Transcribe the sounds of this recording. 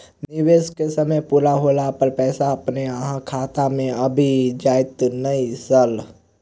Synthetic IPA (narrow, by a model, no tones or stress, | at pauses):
nɪweːskesɐməjpuːɾaɦoːlapəɾpɛːsaɐpneəɦãkʰaːt̪amẽɐbʱid͡ʒaːɪt̪nəisəl